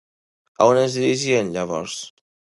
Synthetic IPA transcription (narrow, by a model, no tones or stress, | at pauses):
a̰onenzd̪iɾiʒienʎaβ̞ɔ̰ɾs